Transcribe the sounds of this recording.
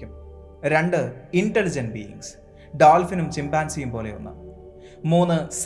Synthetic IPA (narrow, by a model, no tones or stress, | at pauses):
um | ɾe̞ɳɖɨinʈelid͡ʑɐnbijḭŋɡs | ɖaːlfinumt͡ɕimbaːnsijumpo̞ːle̞̰onːɨ̰ | muːnːɨs